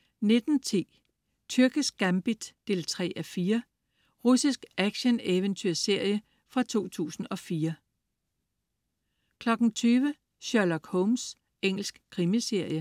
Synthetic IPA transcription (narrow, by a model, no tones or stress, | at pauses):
ne̝d̥n̩t͡sʰḭː | t͡sʰyɐɡ̥əsɡ̥æmb̥id̥ːe̝ːlt͡sʰʁɛ̰ːʔæfiːɐ | ʁusisɡ̥ʔæɡ̥ɕəneʋənt͡sʰyɐ̰se̝ɐ̰jə | fʁɑ̈t͡sʰo̝̰ːt͡sʰṵːsn̩ɒ̽fiːɐ | kʰlɒ̽ɡ̥n̩t͡sʰyːʋə | ɕøɐlɒɡ̥hɔʊms | eŋ̰l̩sɡ̥kʰʁimise̝ɐ̰jə